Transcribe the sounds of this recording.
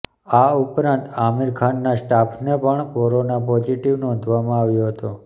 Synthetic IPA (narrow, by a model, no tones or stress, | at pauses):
aupɾãnt̪amiɾkʰanːasʈapʰnepəɳkɔɾonapɔd͡ʒiʈiʋnɔ̃nd̪ʱʋamãaʋjoɦət̪o